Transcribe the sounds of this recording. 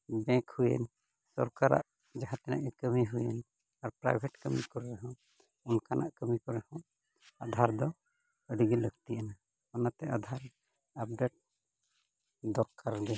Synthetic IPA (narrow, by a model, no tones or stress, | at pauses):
bɛ̃khujɛ̰n | sɔ̰ɾkaɾa̰ʔ | d͡ʒaɦãt̪ɛna̰ʔɛkəmiɦujɛn | aɾpɾa̰jbʱɛʈkəmikɔːɛɦɔ̃ | unkanʔa̰ʔkəmikɔɾɛhɔ̃ | ad̪ʱaɾd̪ɔ | əɖiɡiləɡt̪iʔəna | ɔnat̪ɛʔad̪ʱaɾ | ap̚ɖeʈ̚ | d̪ɔɾkaɾd̪ɛ